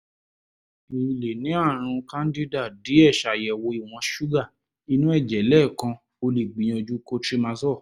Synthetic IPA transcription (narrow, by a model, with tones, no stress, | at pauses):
i˨˧˨le˨nĩ˨˦a˦˨ɾ̃ũ˧kã˦n˦di˦da˦˨di˨˦ɛ˦˨ʃa˨jɛ˨wo˧i˨w̃ɔ̃˧ʃu˦ɡa˦˨ | i˧˦nũ˦ɛ˦˨d͡ʒɛ˨˦lɛ˦˨kã˧ | o˧li˨ɡ͡bi˨j̃ɔ̃˧d͡ʒu˦ko˦tɾi˦mã˧sɔ˦˨